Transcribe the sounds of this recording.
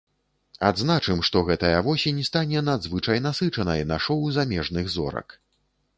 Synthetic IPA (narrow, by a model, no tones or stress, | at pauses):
ad̪znat͡ʂɨmʂt̪ɔɣɛt̪ɐjɐvɔsʲinʲɛst̪anʲɛnad̪zvɨt͡ʂɐjnasɨt͡ʂɐnɐjnaʂɔwzamʲɛʐnɨɣzɔ̰ɾɐ̰k